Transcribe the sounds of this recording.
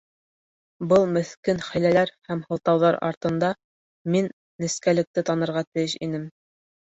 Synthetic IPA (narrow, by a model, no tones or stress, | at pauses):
bɤlˠmɵ̆θkɘnχæ̆jlælæɾhæmhɤ̆lˠt̪ɑwðɑɾɑ̰ɾt̪ɤ̆nd̪ɑ | minː | ɘ̆skælɘ̆k̚t̪ɘt̪ɑnɤ̆ɾʁɑt̪ɘ̆jɘʃḭnɘm